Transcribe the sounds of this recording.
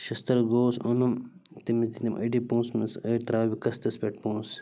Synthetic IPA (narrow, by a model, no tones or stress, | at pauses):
ʃɐst̪ɐɾɡoːsunumt̪imisd̪it̪imʔɐ̰ɖipũːsmɐsɐːt̪ɾaːbikɐst̪ɐspʲeʈpũːs